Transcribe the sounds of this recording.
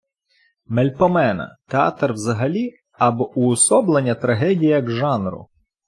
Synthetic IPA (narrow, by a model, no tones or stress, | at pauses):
melʲpɔmɛnɐ̰t̪eɑ̰t̪rwzɐɦɐlʲi | ɐbɔʔʊːsɔblˠenʲːɐt̪ɾɐɦɛdʲijjɐɡʒɑnrʊ̰